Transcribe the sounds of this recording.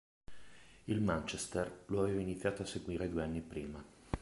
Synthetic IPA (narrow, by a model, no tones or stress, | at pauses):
ilmant͡ʃest̪erloaveːvainit̪sʲːjaːt̪oaseɡwiːɾed̪ueanːipɾiːma